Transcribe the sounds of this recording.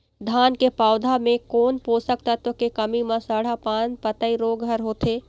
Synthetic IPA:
d̪ʱaːnkepaːʊd̪ʱamẽkoːnpoːsək̚t̪ət̪wəkekəmimãsaːɽ̤apãːnpət̪əiɾoːɡɦəɾɦoːt̪eː

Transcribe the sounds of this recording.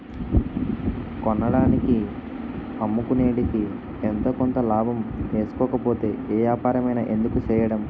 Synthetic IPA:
kɔnːɐɽaːniki | ɐmːukune̞ːɽiki | ent̪o̞ːkɔnt̪ɐlaːbʱɐme̞ːsu̥kɔːkɐpo̞ːt̪e̞ːeːjaːpaːɾɐmɐjnɐʔe̞nd̪ukut͡ʃɛːjɐɽɐm

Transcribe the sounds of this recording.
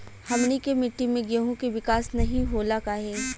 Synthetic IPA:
hɐmnikemɪʈːimẽɡeɦũkeʋɪkaːsnɐɦĩɦoːlakaːɦeː

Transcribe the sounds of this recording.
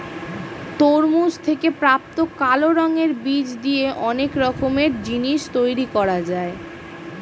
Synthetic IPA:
t̪oɾmud͡ʑt̪ʰekepɾap̚t̪okaloɾɔŋeɾbid͡ʑd̪ijeʔɔnekɾɔkomeɾd͡ʑiniʃt̪ojɾikɔɾad͡ʑae

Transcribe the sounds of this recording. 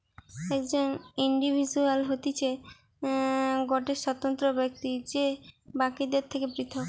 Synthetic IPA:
ɛkd͡ʑoniɳɖibʱid͡ʑualɦot̪it͡ɕʰe | ɡɔʈeʃɔt̪ont̪ɾobek̚t̪id͡ʑebakid̪eɾt̪ʰekebɾit̪ʰok

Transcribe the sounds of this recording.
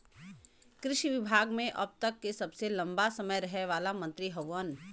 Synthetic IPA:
kɾɪʃiʋɪbʱaːɡmẽʔɐb̚t̪ɐkːesɐbselɐ̃mbasɐməjɾɐɦeʋaːlamɐ̃nt̪ɾiɦɐʋən

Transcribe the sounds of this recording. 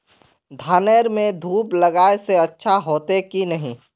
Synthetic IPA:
d̪ʱaːneːɾmẽd̪ʱuːpləɡaːeseɐtːʃʰaɦoːt̪ekinɐɦĩ

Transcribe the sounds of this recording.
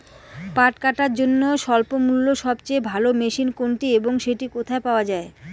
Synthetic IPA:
paʈkaʈaɾd͡ʑonːoʃɔlpomulːoʃɔbt͡ɕejbʱalomeʃinkoɳʈieboŋʃeʈikot̪ʰaepaoad͡ʑae

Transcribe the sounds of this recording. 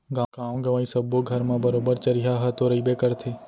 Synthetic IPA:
ɡãɡãːõɡəʋaːĩsəbːoɡʱəɾmãːbəɾobəɾt͡ʃəɾiɦaɦət̪oɾəibekəɾt̪ʰeː

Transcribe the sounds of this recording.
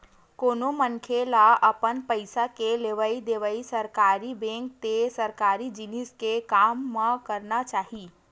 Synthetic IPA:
koːnomənkʰelaəpənpəɪsakeleʋaid̪eʋaisəɾkaːɾibẽːŋk̚t̪esəɾkaːɾid͡ʒiniskekaːmːãkəɾnat͡ʃaːɦi

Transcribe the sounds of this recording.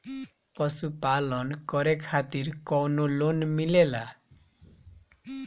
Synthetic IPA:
pʌsupalʌnkʌɾekʰat̪iɾkɔwnolonmilela

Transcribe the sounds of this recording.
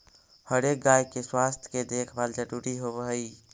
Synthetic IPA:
həɾek̚ɡaːikeswaːst̪ʰj̥ked̪ekʰbald͡ʒəɾuɾiɦobəɦəi

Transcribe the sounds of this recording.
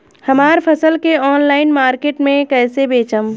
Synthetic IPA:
həmaːɾpʰəsəlkeɔːnlaːɪnmaːɾkeːʈmẽkɛːsebeːt͡ʃəm

